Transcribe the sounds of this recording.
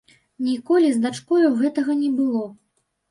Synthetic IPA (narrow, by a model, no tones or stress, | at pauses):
nʲikɔlʲizd̪at͡ʂkɔjuɣɛt̪ɐɣɐnʲɛbɨlˠɔ